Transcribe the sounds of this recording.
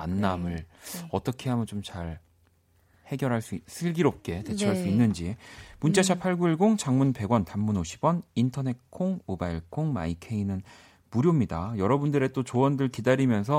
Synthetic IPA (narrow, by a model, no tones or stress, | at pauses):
a̰nːamɯɭʌt͈ʌkʰe̞ɦamɯnt͡ɕomt͡ɕaɭ | he̞ɡjʌɾɦaɭs͈uis͈ɯɭɡiɾop̚k͈e̞te̞t͡ɕʰiɦaɭs͈uinːɯnd͡ʑimunt͡ɕ͈aɕʰapʰaɭɡuiɭɡoŋt͡ɕaŋmunpe̞ɡwʌntamːunoɕʰi̥bwʌnintʰʌne̞t̚kʰoŋmobaiɭkʰoŋma̰ikʰeinɯn | muɾjomɲidajʌɾʌbundɯɾe̞t͈ot͡ɕowʌndɯɭkidaɾimjʌnsʰʌ